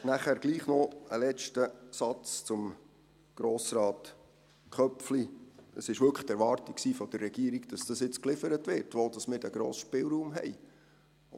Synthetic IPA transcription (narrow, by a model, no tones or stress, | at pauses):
næχæːɾɡliːχnɔəlɛt͡ʃtəsɑt͡st͡sʊm | ɡ̥ɾoːsɾɑːt | kχœpfliəsɪʃʋʏkʰəχt̪ɛɾʋɑɾtiksiːfɔd̥̪ərːɛɡiəɾiɡd̥ɑsd̥ɑsjɪt͡sklɪfəɾətʋɪɾtʋoːld̥ɑsmɪːɾdæɡ̥ɾo̰ːsʃpɪlˠɾuːmɦɛ̰ɪ